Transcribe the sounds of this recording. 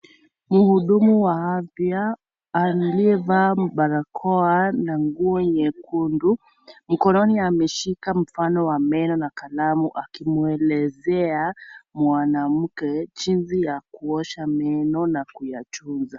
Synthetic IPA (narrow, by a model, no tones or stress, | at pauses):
muhuɗumuwaavjaː | nliɛvaɓaɾakʰɔanaŋɡuɔɲɛkʰundu | m̩kɔnɔniamɛʃikam̩fanɔwamɛnɔnakalamuʔakimuɛlɛzɛamwanam̩kɛt͡ʃinzijakuɔʃamɛnɔnakujat͡ʃunza